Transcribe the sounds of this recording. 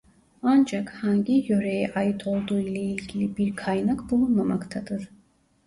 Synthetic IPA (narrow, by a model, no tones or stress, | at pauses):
ɑnd͡ʒɑkʰhɑŋɡijɔɾɛjɛʔɑjit̪ʰɔlˠd̪uilɛilɡʲilibiɾkʰɑjnakʰbulˠumamakʰt̪ʰɑd̪əɾ